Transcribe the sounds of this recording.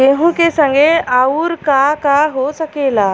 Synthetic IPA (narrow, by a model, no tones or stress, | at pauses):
eɦũkesəŋɡeauːɾkakaɦosəkela